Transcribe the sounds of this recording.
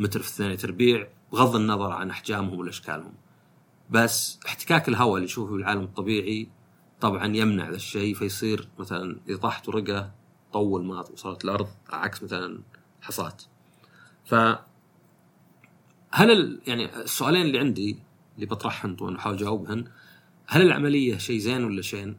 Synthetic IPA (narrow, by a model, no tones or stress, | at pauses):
mɪt̪ɾfi̥θːaːnjit̪ɑɾˤbiːʕbɣɑðˤːinːɑðˤɑɾˤʕa̰nʔaħd͡ʒaːmhʊmwɪlʔaʃka̰ːlhʊ̰m | basːʔɪħt̪ɪ̥kaːkɪlɦawaliʃuːfbɪlʕaːlamɨt̪ˤːɑbiːʕi | t̪ˤɑbʕɑnjɪmna̰ʕðaʃːejfajsˤiːɾmaθalanʔɪt̪ˤɑħt̪wɾɪɡa | t̪ˤɑwːɪlmaːt̪wsˤɑːɾˤɑt̪lʔɑɾˤðˤa̰ʕa̰ksmaθalan | ħɑsˤɑ̰ːt̪ | fa | halɪljaʕnḭsːʊʔaːleːnɪlːiʕɪnd̪i | lːibɑt̪ˤɾˤɑħhʊnt̪ˤwʔɪnːuwħaːwld͡ʒaːʊbhʊn | halɪlʕa̰malɪjːaʃeːzeːnwɪlːaʃeːn